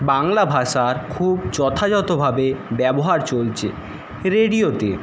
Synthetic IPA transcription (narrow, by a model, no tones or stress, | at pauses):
baŋlabʱaʃaɾkʰubd͡ʑɔt̪ʰad͡ʑɔt̪obʱabebɛboɦaɾt͡ɕolt͡ɕʰḛ | ɾeɖiot̪e